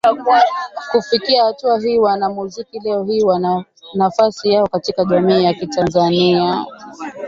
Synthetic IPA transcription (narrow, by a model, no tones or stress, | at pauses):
kakufikiahatuaɦiːwanamuzikilɛɔhiːwana | nafasijaɔkatikaʄamiːjakitanzania